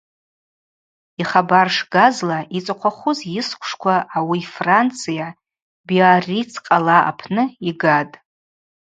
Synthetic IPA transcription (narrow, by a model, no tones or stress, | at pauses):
iχabarʂɡazlaʔit͡sʼaqʷʰaχʷʊzjɪskʷʰʂkʷʰaʔawifrant͡sʰɨja | biarit͡sʰqʼalaa̰pʰnɨiɡatʼ